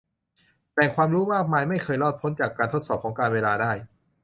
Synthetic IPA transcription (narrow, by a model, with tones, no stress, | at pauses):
t̪ɛː˨˩ŋkʰwaː˧mɾuː˦˥waː˥˩maː˧jma˥˩jkʰɤː˧jlɔː˥˩t̪̚pʰo˦˥nt͡ɕaː˨˩kːaː˧nt̪ʰo˦˥t̪̚sɔː˨˩p̚kɔː˩˦ŋkaː˧nweː˧laː˧daː˥˩j